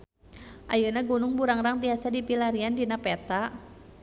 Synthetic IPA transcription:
ʔajənaɡunʊŋbuɾaŋraŋt̪iasadipilaɾiandinapɛt̪a

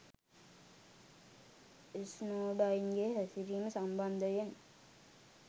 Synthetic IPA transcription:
isnoːɖainɡeɦæsiɾiːməsamband̪əjen

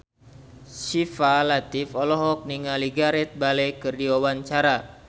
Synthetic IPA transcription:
sifalat̪ifɔlɔɦɔk̚niŋaliɡaɾɛt̪̚balɛkɨrdiwawaɲt͡ʃaɾa

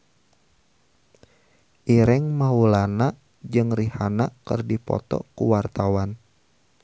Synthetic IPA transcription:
ʔiɾɪŋmaulanaʔ | d͡ʒɨŋrihanaʔkɨrdipɔ̰t̪ɔ̰kṵwart̪awan

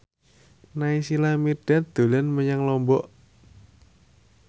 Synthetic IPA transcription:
naisilamirɖ̥a̤d̪̥o̤lənməɲaŋlɔmbɔʔ

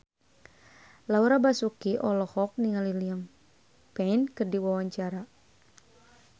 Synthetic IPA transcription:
lauɾabasukiʔɔlɔhɔk̚niŋaliliəm | pɛinkɨrdiwawaɲt͡ʃaɾa

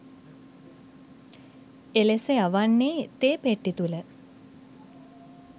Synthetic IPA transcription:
eleseaʋanːeːt̪eːpeʈːit̪ulə

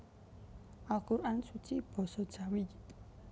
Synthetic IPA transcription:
ʔalkuɾʔansut͡ʃib̥ɔ̤sɔd̥ʒ̥awi

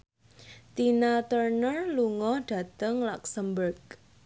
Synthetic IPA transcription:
t̪inat̪ərnərluŋɔhɖ̥ä̤t̪əŋlɔksəmbərɡ

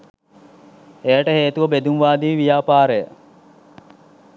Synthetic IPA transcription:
ejəʈəheːt̪uʋəbed̪uŋʋaːd̪iːʋijaːpaːɾejə

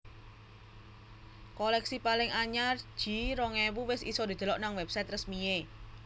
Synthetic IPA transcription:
kɔlɛksipalɪŋaɲar̥ʒ̥i̤ɾɔŋewuwɪsḭsɔd̪i̤d̪̥ə̤lɔʔnaŋwɛpsajt̪rəsmie

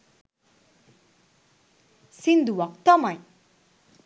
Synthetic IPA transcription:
sind̪uwʌkt̪ɔmaj

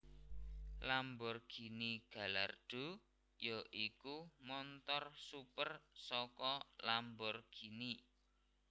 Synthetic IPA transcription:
lambɔrɡ̥i̤niɡ̥a̤la̰rɖ̪̥o̤ | joʔikumɔnt̪ɔrsupərsɔkɔlambɔrɡ̥i̤ni

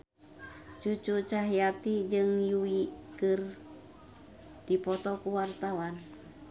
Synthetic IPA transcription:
t͡ʃut͡ʃut͡ʃaɦijat̪id͡ʒɨŋjuikɨr | d̥ipɔt̪ɔkuwart̪awan

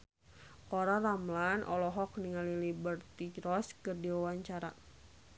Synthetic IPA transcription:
kɔɾaramlanʔɔ̰lɔɦɔk̚niŋalilibərt̪iɾɔskərdiwawaɲt͡ʃaɾa̰

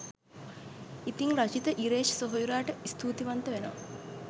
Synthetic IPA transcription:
it̪iŋɾat͡ʃit̪əʔiɾeːʃsoɦojuɾaːʈəist̪ʰuːt̪iʋant̪əʋenəʋa̰

